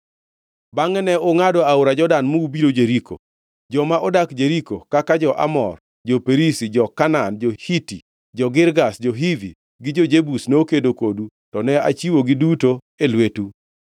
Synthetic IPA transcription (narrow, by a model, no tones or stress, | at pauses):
baŋɛnɛoŋadɔaʊɾad͡ʒɔdanmuubiɾod͡ʒeɾiko̰ | d͡ʒɔmaʔɔdakd͡ʒeɾikokakad͡ʒɔʔa̰mɔ̰r | d͡ʒopeɾisid͡ʒɔkanand͡ʒohiti | d͡ʒɔɡɪɾɡasd͡ʒoɦivḭ | ɡɪd͡ʒod͡ʒebusneokedokodu | tɔnɛat͡ʃiwoɡɪduto | elwetu